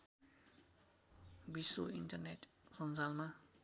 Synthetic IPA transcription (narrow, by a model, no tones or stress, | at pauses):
bisuintərnɛt | sɔnzalma